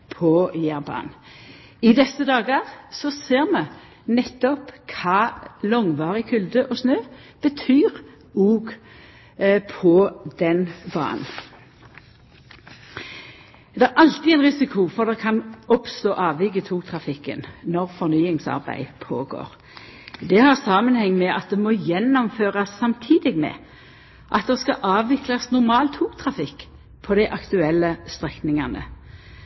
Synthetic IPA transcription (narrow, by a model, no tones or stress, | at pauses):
pʰɔjæʁbɑ̰ːn | ɪd̪ɛsːəd̪ɑːɡəʁsɔseːʁmɛ | nɛt̪ːɔpkʰɑːlɔŋʋɑːʁəkʰʉld̪əʔɔsnøːb̥ət̪ʰyːʁ | uːɡ | pʰɔd̪ɛnbɑ̰ːn | d̪ɛæɾʔɑlt̪ɪɛɪnʁɪsɪkʰʊfɔʁd̪ɛkʰɑnɔpst̪oːʔɑːʋʋɪɡət̪ʰuːk̚t̪ʰʁɑfɪkːə̰nnɔʁfɔʁnyːɪŋsɑ̰ʁbæ̰ɪpʰo̰ːɡo̰ːʁ | d̪ɛhɑʁsɑːmənhɛŋːmɛʔɑt̪̚d̪ɛmɔjɛnːɔmføːʁɑsːɑmt̪ʰiːd̪ɪɡmɛ̰ | ʔɑt̪̚d̪ɛskɑʔɑːʋʋɪklɑsnʊʁmɑːlt̪ʰuːkt̪ʰʁɑfɪk | pʰɔd̪æɪʔɑkt̪ʉɛlːəst̪ʁɛknɪŋɑnə̰